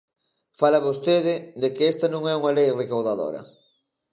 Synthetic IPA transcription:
falɐβost̪eðɪðekɪest̪ɐnũŋɛuŋalejrekawðaðo̰ɾɐ̰

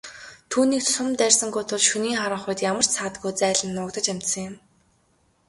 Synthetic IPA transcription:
t̪ʰuːniːk̚tsʊmt̪ærʲsə̆ŋɡujt̪ʰʊɮʃuniːŋχaɾə̆ɴχʊjt̪jamə̆r̥t͡ɕsaːt̪ɡujt͡sæːɮə̆nːʊːkt̪ə̆t͡ɕam̥t̪sə̆ŋjʊ̆m

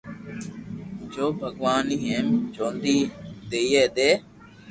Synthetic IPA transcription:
d͡ʒoːbʱəɡʋaːniːɦẽːmd͡ʒõːnd̪iːd̪eːjeːd̪eː

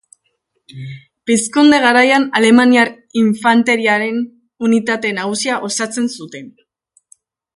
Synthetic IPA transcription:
piskund̪e̞ɣ̞aɾajanale̞maniaɾ | iɱfant̪e̞ɾiaɾe̞n | unit̪at̪e̞naɣ̞usiaʔo̞sat͡se̞nsut̪e̞n

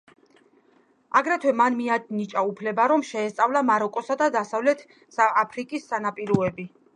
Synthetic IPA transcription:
aɡɾɛt̪ʰwɛmanmianit͡ʃʼaupʰlɛbaɾɔmʃɛːst̪sʼavlˠamaɾɔkʼɔsad̪ad̪asavlɛt̪ʰ | saapʰɾikʼisːanapʼiɾuɛbi

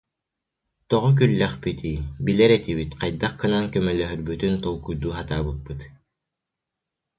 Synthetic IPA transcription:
t̪ɔʁɔk̬ylːɛχpit̪iːbilɛɾɛt̪ibit̪qajd̪aχkɯnaŋkœmœlœɦœɾbyt̪ynt̪ɔlˠkujd̪uːɦat̪aːbɯt̪̚pːɯt̪

